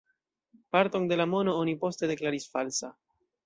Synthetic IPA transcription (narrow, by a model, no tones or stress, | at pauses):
paɾto̞nde̞lamo̞no̞onipo̞ste̞de̞klaɾisfalsa